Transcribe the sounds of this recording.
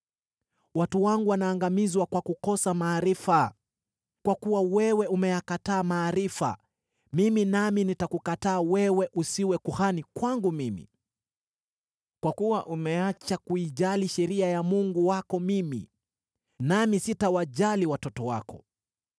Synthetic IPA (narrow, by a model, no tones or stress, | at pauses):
watuwaŋɡuwanaːŋɡamizwakwakukɔsamaːɾifa | kwakuwawɛwɛumɛjakataːmaːɾifa̰ | miminaminitakukataːwɛwɛʔusiwɛkuhanikwaŋɡumimḭ | kwakuwaʔumɛat͡ʃakuiʄaliʃɛɾiajamuŋɡuwakɔmimḭ | namisitawaʄaliwatɔtɔwa̰kɔ